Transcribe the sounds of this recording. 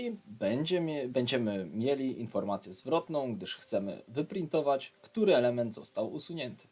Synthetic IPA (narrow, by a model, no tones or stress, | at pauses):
ibɛd͡ʑɛɛbɛɲd͡ʑɛmɘmʲjelʲiʔinfɔɾmat̪sʲjɛzvɾɔt̪nɔ̃w̃ɡd̪ɘʂxt̪sɛmɘ̰vɘpɾʲint̪ɔvat͡ɕkt̪uɾɘɛlɛmɛnd̪zɔst̪awʔṵsuɲɛnt̪ɘ̥